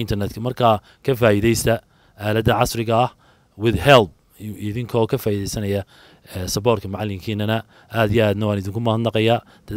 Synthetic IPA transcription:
ɪnt̪ʰɐrnɛt̪kʰɐmɐrkʰaː | kʰɐfaːiðɛjst̪ʰɐ | ʔaːlɐd̪ɐʕɑsrɪɣɐːh | wɪðhɛlb̚ | ɪðɪŋkʰɔkʰɐfaːiðɛjsɐnɐjɐ | ɛsɐbɔːrkʰɐmʊʕɑlːɪŋkʰiːnɐnɐ | ʔaːd̪ijaːd̪nɐwɑːnɪðɪŋkʰʊmɐhɐd̪nɑqɑjaː | d̪̥ɐ

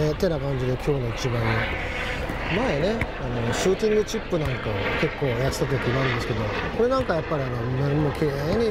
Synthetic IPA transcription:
et̪ːe̞nakãɲ̟d͡ʑid̪e̞kʲo̞ːno̞it͡ɕibãɲi | maene̞ | ano̞ɕuːt̪ʲĩŋɡɯ̟t͡ɕipːɯ̟nãŋkaoke̞kːo̞ːjat̪i̥t̪at̪̬okʲiɡaaɾɯ̃nd̪esɨ̥ke̞d̪o̞ko̞ɾe̞nãŋkajapːaɾʲiano̞mːaɾimoːkʰeɲ̟i

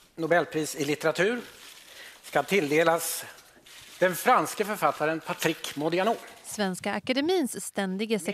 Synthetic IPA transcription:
nʊbɛlːpʰɾiːsɪlɪt̪ɛɾat̪ʰʉ̟ːɾ | skat̪ʰɪld̪eːlas | d̪̥ɛnfɾanskəfœɾfat̪ʰːaɾənpʰat̪ʰɾɪkmʊd̪ɪanoːɾsvɛnskaakad̪ɛmiːnsst̪ɛnd̪ɪɡəsɛ

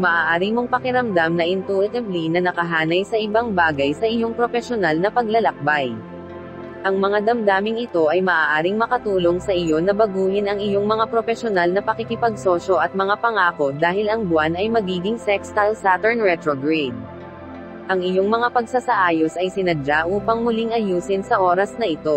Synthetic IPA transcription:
mɐʔaːʔaːɾimo̞ŋpɐkɪɾɐmd̪amnɐʔɪnt̪uʔɪt̪ɐblinɐnɐkɐɦaːnɐjsɐʔɪbaŋbaːɡɐjsɐʔɪjo̞ŋpɾo̞fɛʃonalnɐpɐɡ̚lɐlɐk̚baj | ʔɐŋmɐŋad̪ɐmd̪aːmɪŋɪt̪o̞ʔɐjmɐʔaːʔaːɾɪŋmɐkɐt̪uːlo̞ŋsɐʔɪjo̞nɐbɐɡuːhɪnɐŋɪjo̞ŋmɐŋapɾo̞fɛʃonalnɐpɐkɪkɪpɐɡ̚so̞ːʃo̞ʔɐt̪̚mɐŋapɐŋaːko̞d̪aːhɪlɐŋbwanɐjmɐɡiːɡɪŋsɛkst̪ɐlsat̪ɛɹnɹɛt̪ɾoɡɹɛd̪̚ | ʔɐŋɪjo̞ŋmɐŋapɐɡ̚sasɐʔaːjo̞sɐjsɪnɐd͡ʒaʔuːpɐŋmʊliŋɐjuːsɪnsɐʔo̞ːɾɐsnɐʔɪt̪o̞

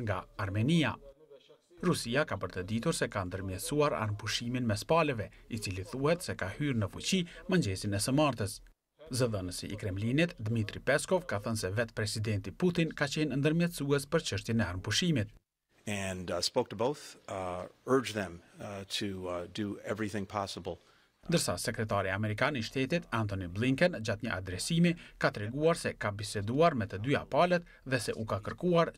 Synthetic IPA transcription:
ŋɡaːɾmɛnia | ɾusiakabəɾt̪əd̪it̪uɾsɛkand̪əɾmjɛt̪suaɾa̰ɾmpuʃiminmɛspalɛvɛit͡siliθuhɛt̪sɛkahyɾnəfut͡ɕiməɲd͡ʑɛsinɛsəmaɾt̪əs | zəðənəsḭːkɾɛmlinit̪d̪mit̪ɾipɛskɔvkaθənsɛvɛt̪pɾɛsid̪ɛnt̪iput̪inkat͡ɕɛnnd̪əɾmjɛt̪suɛspəɾt͡ʃəʃt̪jɛnɛaɾmpuʃimit̪̚ | ɨ̃nspoʊk̚tʰəboʊθ | ɜ˞d͡ʒðɛ̃mtʰɨdɨɛvɹiθɪ̃ŋpʰɑsəbl̩ˠ | nd̪əɾsa̰sɛkɾɛt̪aɾiamɛɾikaniʃt̪ɛt̪it̪ant̪ɔnibliŋkɛnd͡ʑat̪ɲəʔa̰d̪ɾɛsimikat̪ɾɛɡuaɾsɛkabisɛd̪uaɾmɛt̪əd̪ya̰palɛt̪ | ðɛsɛ̰ʔukakəɾkuaɾ

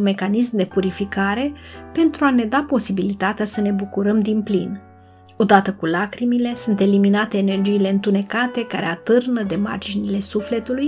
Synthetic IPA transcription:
me̞kanismd̪e̞puɾifikaɾe̞pe̞nt̪ɾuane̞d̪apo̞sibilit̪at̪easəne̞bukuɾəmd̪inplin | o̞d̪at̪əkulakɾimile̞sunt̪e̞liminat̪e̞ːne̞rd͡ʒiːle̞ɨnt̪une̞kat̪e̞kaɾeat̪ɨrnəd̪e̞ma̰rd͡ʒinile̞sufle̞t̪uluj

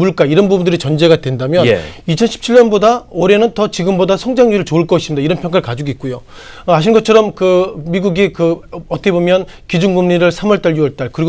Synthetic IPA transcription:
muɭk͈aiɾʌnbubundɯɾit͡ɕʌnd͡ʑe̞ɡadwe̞ndamjʌit͡ɕʰʌnɕʰi̥p̚t͡ɕʰiɭjʌnbodaoɾe̞nɯntʌt͡ɕiɡɯmbodasʰʌŋd͡ʑaŋɲiɾɯɭt͡ɕoɯɭk͈ʌis͈ɯmɲidaiɾʌnpʰjʌŋk͈aɭkad͡ʑuɡit̚k͈ujo | ʌaɕʰinɡʌt͡ɕʰʌɾʌmkɯmiɡuɡikɯʌt͈ʰʌkebomjʌn | kid͡ʑunɡumɲiɾɯɭsʰamwʌɭt͈aɭjuwʌɭt͈aɭkɯɾiɡ

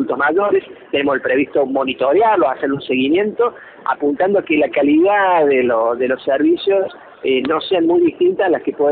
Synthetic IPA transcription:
ult̪oɦmaʒoɾest̪enemoselpɾeβ̞iht̪omo̞nit̪oɾjarlosaseɾunseɣimjẽ̞nt̪o̞ | a̰punt̪and̪oakelakaliðaðeloðelosːeɾβisjo̞s | eno̞seanmujðiht̪int̪aslaskepwe

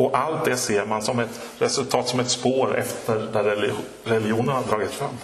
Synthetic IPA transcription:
ɔʔalt̪̚d̪ɛseːɾmansɔmɛt̪ | ɾɛsɵlt̪ʰɑːt̪sɔmɛt̪spoːɾɛ̰ft̪əɾd̪æɾː | ɛljɪuːnənhad̪ɾɑːɡɪt̪fɾamː

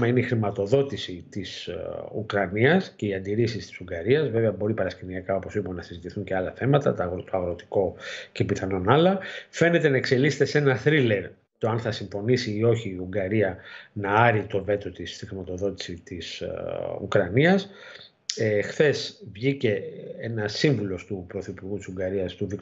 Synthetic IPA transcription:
mɐineixɾimɐt̪o̞ðo̞t̪isit̪isukɾɐniɐsce̞iɐnd̪iɾisist̪i̥suŋɡɐɾiɐzve̞ve̞ɐbo̞ɾipɐɾɐsceniɐkɐo̞po̞siponɐsizit̪iθuɲceɐlɐθe̞mɐt̪ɐ̰t̪t̪oɐɣɾo̞t̪i̥ko̞ce̞piθɐno̞nɐlɐfe̞ne̞t̪e̞nɐekse̞lise̥t̪e̞se̞nɐθɾile̞ɾ | t̪o̞ɐnθɐsiɱfo̞nisiːo̞çiːuŋɡɐɾiɐnɐɐɾit̪o̞ve̞t̪o̞t̪ist̪ixɾimɐt̪o̞ðo̞t̪i̥sit̪isṵkɾɐniɐs | exθe̞svʝice̞enɐsiɱvulo̞st̪upɾo̞θipuɾɣut̪i̥suɡɐɾiɐst̪uðik

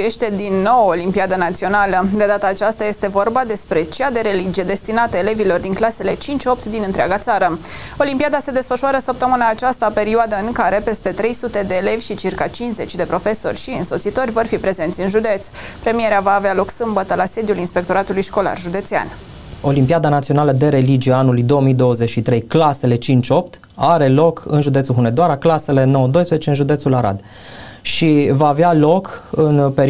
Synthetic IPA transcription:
jeʃt̪e̞d̪inːo̞wolimpiad̪ənat̪sio̞naləd̪e̞d̪at̪aːt͡ʃast̪aje̞st̪e̞vo̞rbad̪e̞spɾe̞t͡ʃead̪e̞ɾe̞lid͡ʒije̞d̪e̞st̪inat̪əele̞vilo̞rd̪iŋklase̞le̞t͡ʃint͡ʃʲo̞p̚t̪d̪inɨnt̪ɾea̰ɡat̪saɾə | o̞limpiad̪ase̞d̪e̞sfəʃuaɾəsəp̚t̪əmɨnaːt͡ʃast̪ape̞ɾioad̪əɨŋkaɾe̞pe̞st̪e̞t̪ɾe̞jsut̪e̞d̪e̞ːle̞vʲʃit͡ʃirkat͡ʃinsze̞t͡ʃʲd̪e̞pɾo̞fe̞so̞̰rʲʃiɨ̰nso̞t̪sit̪o̞rʲvo̞rfipɾe̞ze̞nt̪sʲɨnʒud̪e̞t̪sʲ | pɾe̞mije̞ɾeavaːvealo̞ksɨmbət̪əlase̞d̪julinspe̞k̚t̪o̞ɾat̪ulujʃko̞la̰rʒud̪e̞t̪sea̰n | o̞limpiad̪anat̪sio̞naləd̪e̞ɾe̞lid͡ʒiaanulujd̪o̞ːomijd̪o̞wːəze̞t͡ʃʃit̪ɾe̞jklase̞le̞t͡ʃint͡ʃʲo̞p̚t̪ | aɾe̞lo̞kʰɨnʒud̪et̪suɦuned̪oaɾaklase̞le̞no̞wəd̪o̞jspɾeet͡ʃeɨnʒud̪esulaɾa̰d̪ | ʃivaːvealo̞kɨnpe

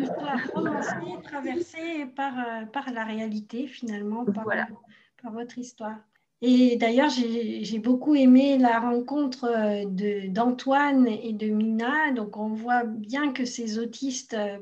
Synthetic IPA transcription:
əsyat̪χod̪̃et̪χavɛʁsepaʁøpaʁlaʁealit̪efinalmɑ̃pa | paʁvɔt̪χist̪waːʁ | ed̪ajœʁʒeʒebokuemelaʁɑ̃kɔ̃t̪χəd̪əd̪ɑ̃t̪waned̪əminad̪ɔ̃kɔ̃vwabjɛ̃kəsezot̪ʰist̪ø

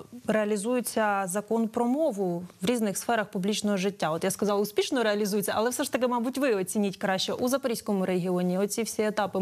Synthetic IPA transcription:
reɐlʲizujʊt͡sʲːɐzɐkɔnpɾɔmɔʋʊʋɾʲiznɪxsfɛɾɐxpublʲit͡ʃnɔɦɔʐɪtʲːaɔt̪jaskɐzɑlˠʊspʲiʃnɔɾeɐlʲizujɪt͡sʲːɐʔɐlˠɛfsɛʂt̪ɐk̬ɪmɑbutʲʋɪɔt͡sʲinʲitʲkɾɑɕt͡ʃɛʔuzɐpɐisʲkɔmʊɾeɦʲɪɔnʲiɔt͡sʲifsʲiet̪ɑpɪ

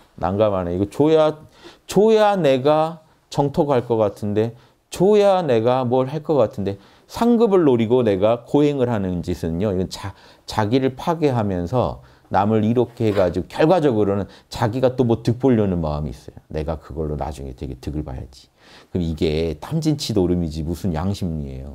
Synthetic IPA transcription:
na̰ŋɡamanajoiɡʌt͡ɕojat͡ɕojane̞ɡa | t͡ɕʌŋtʰoɡɦaɭk͈ʌk͈atʰɯnde̞ | t͡ɕojane̞ɡamwʌɭɦaɭk͈ʌk͈atʰɯnde̞ | sʰaŋɡɯbɯɭːoɾiɡone̞ɡakoɦe̞ŋɯɭɦanɯnd͡ʑisʰɯnoiɡʌnt͡ɕa | t͡ɕaɡiɾɯɭpʰaɡe̞ɦamjʌnsʰʌ̰ | namɯɾiɾʌkʰeɡad͡ʑiɡokjʌɭɡwad͡ʑʌɡɯɾonɯnt͡ɕaɡiɡat͈omʌtɯk̚p͈oʎːʌnɯnma̰ɯmḭḭs͈ʌ̰jone̞ɡakɯɡʌɭːona̰d͡ʑuŋe̞̰twe̞̰ɡe̞tɯɡɯɭba̰ja̰d͡ʑi̥ | kɯmiɡe̞tamd͡ʑint͡ɕʰidoɾɯmid͡ʑimusʰɯnja̰ŋɕʰimɲie̞̰jo̰

